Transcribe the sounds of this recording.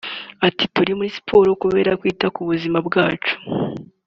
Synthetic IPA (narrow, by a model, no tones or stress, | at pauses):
atituɾimuɾisi̥pʰo̞ːɾokuβe̞ɾakwiːtakuβuzimabɡaːt͡ʃu̥